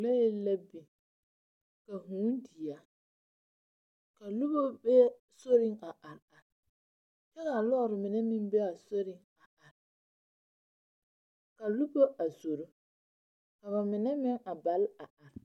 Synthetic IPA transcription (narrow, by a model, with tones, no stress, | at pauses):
la˦je˦la˦bi˨ | ka˨ɦũ˨˦ndɪ˨a˨ | ka˨lu˦bo˦bɛ˦ | so˦ɾɪ˦ŋa˨ʔa˨ɾa˨ɾ | t͡ʃɛ˦ka˨lɔ˦˨ɾɪ˨mɪ˨nɛ˦mɪ˦ŋbɛ˦a˨so˦ɾɪ˦ŋ | a˨a˨ɾ | ka˨lu˦bo˦a˨so˨ɾo˦ | ka˨βa˨mɪ˨nɛ˦mɪ˦ŋa˨ba˨˦la˨a˨ɾ